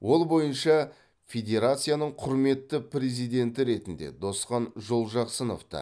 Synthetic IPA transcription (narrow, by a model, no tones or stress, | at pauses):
wo̞lˠbo̞jənʃɑ | fʲe̞d̪ʲe̞ɾat̪sɨjanəɴqʰʊɾme̞t̪ːəpɾʲe̞zijd̪e̞nt̪ɪɾe̞t̪ɪnd̪e̞̰d̪o̞sqɑnʒo̞lˠʒɑqsənoft̪ɑ̰